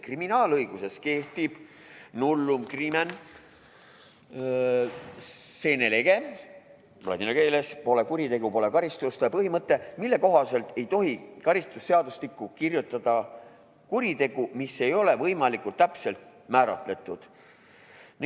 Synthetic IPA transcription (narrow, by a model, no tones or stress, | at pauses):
kriminɑːlɤjɡ̥use̞ske̞ht̪ib̥ | nulːumkrimen | se̞ːneleɡ̥e̞ | plɑ̰d̪ineɡelespo̞le̞kuɾit̪e̞ɡ̥upo̞le̞kɑɾist̪ust̪epɤɦimɤt̪ːˑe̞milːe̞ko̞ɦɑse̞lt̪e̞jt̪o̞ɦikɑɾist̪usːe̞ɑd̪uslikːˑukirjut̪ˑːɑd̪̥ɑ | kuɾit̪e̞ɡ̥umisːe̞jo̞le̞vɤjmɑlikult̪ːæpse̞lt̪̚ | mæːɾɑ̰t̪ˑle̞t̪ːˑud̪̥ | n